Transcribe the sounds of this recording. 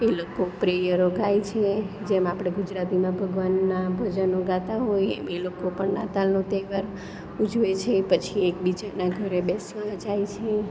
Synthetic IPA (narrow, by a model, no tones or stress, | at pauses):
elokopɾejəɾoɡajt͡ʃʰe | d͡ʒemapɽ̃eɡud͡ʒɾat̪imãbʱəɡʋanːabʱəd͡ʒənoɡat̪aɦojḛmelokopəɳna̰t̪alnot̪eʋəɾ | ud͡ʒʱʋet͡ʃʰepət͡ʃʰiek̚bid͡ʒanaɡʱəɾebesad͡ʒajt͡ʃʰe